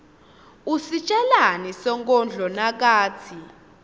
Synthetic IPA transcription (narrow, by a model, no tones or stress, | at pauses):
usit͡ʃʼɛlanisɔŋkʼɔnd͡ɮʱɔnak̬ʼaːt͡sʰi